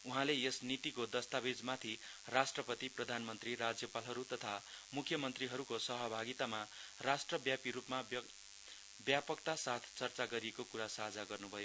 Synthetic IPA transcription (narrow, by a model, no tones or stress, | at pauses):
uɦãlejʌsnit̪ikod̪ʌst̪abed͡zmat̪ʰi | rasʈrʌpʌt̪iprʌd̪ʱanmʌnt̪rirad͡zjʌpalɦʌɾut̪ʌt̪ʰamukʰːjʌmʌnt̪riɦʌɾukosʌɦʌbʱaɡit̪amarasʈrʌbjapiɾupmab | bjapʌkt̪asat̪ʰt͡sʌrt͡saɡʌɾiekokuɾasad͡zaɡʌrnubʱʌjo